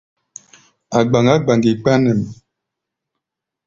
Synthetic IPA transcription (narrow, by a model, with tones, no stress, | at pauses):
a˨ɡ͡ba˨ŋɡa˦ɡ͡ba˨ŋɡi˨k͡pa˦nɛ˨m˨